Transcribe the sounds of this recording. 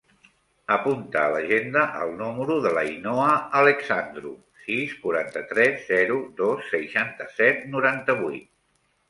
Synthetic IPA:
əpunt̪əːləʒend̪əʔəlˠnuməɾuðələinoəːləksand̪ɾṵ | siskuɾant̪ət̪ɾɛzːɛɾuðosːəjʃant̪əsɛt̪̚nuɾant̪əβujt̪̚

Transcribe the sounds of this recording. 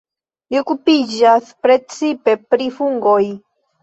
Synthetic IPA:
jokupid͡ʒaspɾet͡sipepɾifuŋɡoj

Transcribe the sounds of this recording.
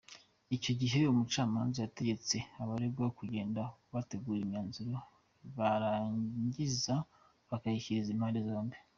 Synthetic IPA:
ico̞ɟiɦe̞umut͡ʃaːma̰ːnzajate̞ɟe̞t͡se̞aβaɾebɡaokuɟe̞ːndaβate̞ɡuːɾimɲaːnzuɾo | βaɾaːɲɟiza | βakahiçiɾizimhaːndezaːmbe

